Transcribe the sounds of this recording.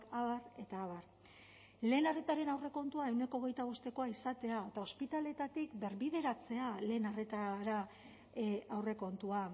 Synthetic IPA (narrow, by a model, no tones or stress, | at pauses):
kaβare̞t̪aːβar | le̞ːnare̞t̪aɾe̞nawre̞ko̞nt̪uae̞wne̞koːɣ̞e̞jt̪aβost̪e̞ko̞aisat̪e̞aet̪ao̞spit̪ale̞t̪at̪ikbe̞ɾβiðe̞ɾat͡se̞ale̞ːnare̞t̪aɾa | awre̞ko̞nt̪ua